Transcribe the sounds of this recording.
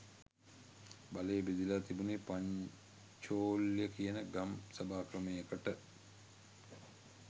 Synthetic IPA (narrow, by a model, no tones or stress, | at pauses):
baleːbid̪ilat̪ibunipaɲ | t͡ʃoːljəkijənəɡamsabaːkɾəmeːekəʈə